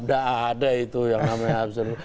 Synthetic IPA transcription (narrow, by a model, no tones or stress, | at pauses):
p̚daaːdait̪ujaŋnamaɲaabsəɾ